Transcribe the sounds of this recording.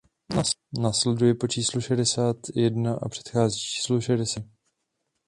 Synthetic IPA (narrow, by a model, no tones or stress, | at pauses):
naslɛdujɛpot͡ʃiːsluʃɛdɛsaːt̪jɛdnaʔa̰pr̝̥ɛ̥t̪xaːziːt͡ʃi̥ːsluʃɛdɛsɪ